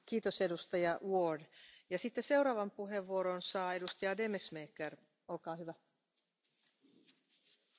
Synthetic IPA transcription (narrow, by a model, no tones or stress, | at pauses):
kiːt̪ose̞dust̪ɑjɑwodjɑsit̪ːese̞wɾɑːʋɑmpuɦe̞ʋːuoɾonsɑːe̞dust̪ijɑde̞mesmeːkːer | olkɑːhyʋæ